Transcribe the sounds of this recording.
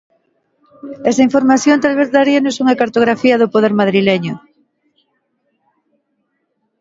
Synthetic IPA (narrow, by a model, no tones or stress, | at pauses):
ɛsaĩɱfoɾmaθjõnt̪alβeθðaɾianosuŋakaɾt̪oɣ̞ɾafiɐðʊpoðeɾmaðɾileɲʊ